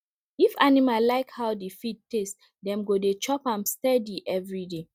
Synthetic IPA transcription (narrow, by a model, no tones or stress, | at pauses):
ifanimallaɪkhaʊdifit̚tes | dɛ̃mɡodet͡ʃɔpãmstɛdiʔɛvɹide